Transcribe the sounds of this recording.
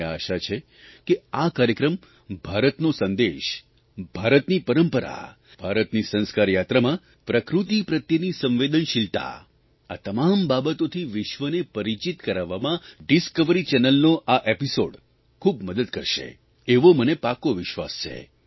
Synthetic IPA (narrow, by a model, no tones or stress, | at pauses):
a̰ʃat͡ʃʰe | keakaɾjəkɾəm | bʱaɾət̪nosənd̪eʃ | bʱaɾət̪nipəɾəmpəɾa̰ | bʱaɾət̪nisə̃ñskaɾjat̪ɾəmã | pɾəkɾut̪ipɾət̪jənisə̃mʋed̪ənʃilt̪a̰ | a̰t̪əmambabət̪ot̪ʰiʋɪʃʋənepəɾit͡ʃit̪kəɾaʋːamãɖiskəʋəɾit͡ʃɛnəlnoʔaʔepisoɽ | kʰubməd̪əd̪kə̰ɾʃḛ | eʋomənepakoʋɪʃʋa̰st͡ʃʰḛ